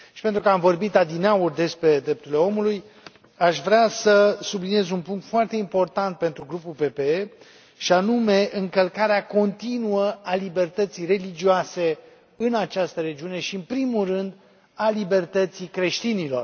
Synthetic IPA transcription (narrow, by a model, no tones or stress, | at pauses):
ʃipent̪ɾukəamvo̞rbit̪ad̪inaurd̪e̞spɾe̞d̪ɾe̞p̚t̪uɾle̞o̞muluj | aʃvɾeasəsublinije̞zunpuŋkt̪foart̪e̞impo̞rt̪ant̪̚pe̞nt̪ɾuɡɾupulpe̞pe̞e | ʃianume̞ʔɨŋkəlkaɾeako̞nt̪inuəalibe̞rt̪ət̪sijre̞lid͡ʒioase̞ | ɨnat͡ʃast̪əɾe̞d͡ʒiune̞ʃiɨnpɾimulrɨnd̪ | alibe̞rt̪ət̪sikɾe̞ʃt̪inilo̞̰r